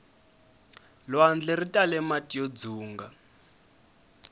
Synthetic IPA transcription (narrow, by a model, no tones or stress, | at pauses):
lwand͡ɮɛritʼalɛmatʼiod͡zuːŋɡa